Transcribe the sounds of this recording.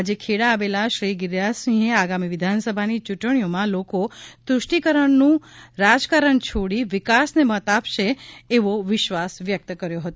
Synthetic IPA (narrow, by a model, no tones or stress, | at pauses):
ad͡ʒekʰeɽaːʋelaʃɾiɡɪɾjasĩɦeaɡamiʋɪd̪ʱansəbʱanit͡ʃuʈɳijomãlokot̪ɾʊʃʈikəɾəɳnũɾad͡ʒkaɾəɳt͡ʃʰoɽiʋɪkasnemət̪apʃeːʋoʋɪʃʋasʋjək̚t̪kəɾjoɦət̪o